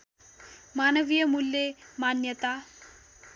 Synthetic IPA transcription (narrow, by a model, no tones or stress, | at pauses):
manəʋijəmulːemanjət̪a